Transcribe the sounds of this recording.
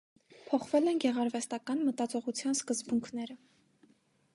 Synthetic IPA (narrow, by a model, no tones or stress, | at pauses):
pʰɔχvɛlɛnɡɛʁɑɾvɛst̪ɑkɑnmət̪ɑt͡sɔʁut͡sʰjɑnskəzbuŋkʰnɛɾə